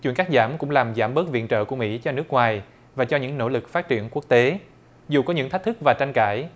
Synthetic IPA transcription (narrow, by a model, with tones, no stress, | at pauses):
t͡ɕwḭ˧˨nkaː˦˥k̚zaː˧˩mkʊ̰˧˥ŋ͡mlaː˨˩mzaː˧˩mɓəː˦˥t̚vḭ˧˨ənt͡ɕə̰ː˧˨ku˧˩əmḭ˧˥t͡ɕɔ˧nɨ˦˥ək̚ŋwaː˨˩j | vaː˨˩t͡ɕɔ˧ɲɨ̰˧˥ŋno̰˧˥lɨ˨˩k̚faː˦˥t̚t͡ɕḭ˧˩ənkwu˦˥ək̚t̪e˨˦ | zu˨˩kɔ˨˦ɲɨ̰˧˥ŋt̪a˦˥k̚t̪ʰɨ˦˥k̚vaː˨˩t͡ɕa˧ŋ̟kaː˧˩j